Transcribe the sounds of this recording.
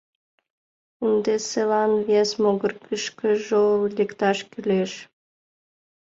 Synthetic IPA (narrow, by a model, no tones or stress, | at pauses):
ɨnd̪eselɑnvesmoɡərkəʃkə̆ʒollʲekt̪ɑʃkʲylʲeʃ